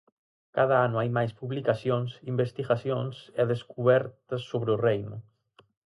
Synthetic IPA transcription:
kað̞aanuajmajspuβlikasjonsimbest̪iɣasjonseðeskuβ̞ɛɾt̪əsːoβɾeurejnu

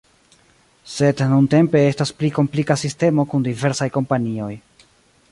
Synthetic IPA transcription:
se̞dnunte̞mpe̞e̞staspliko̞mplikasiste̞mo̞kundive̞ɾsajko̞mpanio̞j

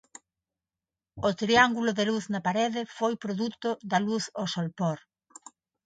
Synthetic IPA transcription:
ot̪ɾiaŋɡulʊðeluθnɐpaɾeðɪfojpɾoðut̪ʊðɐluθosolpɔɾ

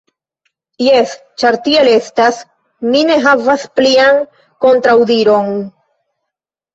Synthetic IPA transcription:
jes | t͡ʃaɾtie̞le̞stas | mine̞ɦavaspliaŋ | ko̞ntɾawdiɾo̞n

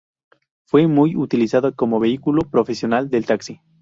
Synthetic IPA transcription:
fwemujut̪ilisaðoko̞moβe̞ikulopɾofesjo̞nald̪e̞lt̪aksi

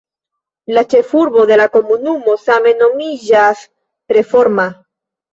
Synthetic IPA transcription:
lat͡ʃefuɾβoðelakomunumosamenomiʝas | pɾefoɾma

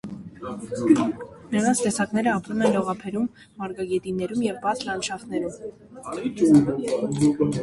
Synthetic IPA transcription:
nəɾɑnt͡sʰt̪ɛsɑkn̪ɛɾəɑpɾumɛnlɔʁɑpʰɛɾumː | ɑɾɡɑɡɛt̪inɛɾumjɛvbɑt͡sʰlɑnʃɑχnɛɾum

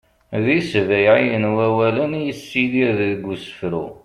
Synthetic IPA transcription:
ðisvæjʕijənwæwælənjəsːiðiɾðəðɡʷːusə̥fɾu

